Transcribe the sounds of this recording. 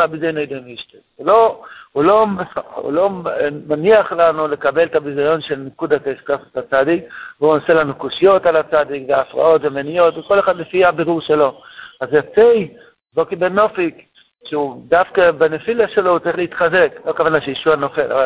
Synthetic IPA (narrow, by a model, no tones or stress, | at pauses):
abizajonejdemiʃte | ulo̞ulo̞meaṵlo̞maniaχlanule̞kabe̞lt̪abizajo̞nʃelnikudataeskasotat͡sadikveunaselanukoʃijo̞talat͡sad̪ikveafʁa̰o̞tvemenijo̞tveko̞leχadlefiabiʁuʁʃelo̞azjat͡sej | bokibeno̞fik | ʃeudafkabenefilaʃelohut͡saʁiχleit̪χaze̞kloakavanaʃejiʃuano̞fe̞la̰val